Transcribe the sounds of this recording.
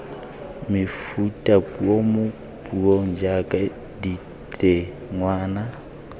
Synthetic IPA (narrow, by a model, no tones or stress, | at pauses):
mɪfutʼapʼuomʊ | pʼuoŋd͡ʒakʼa | di | tʼɛ | ŋwaːna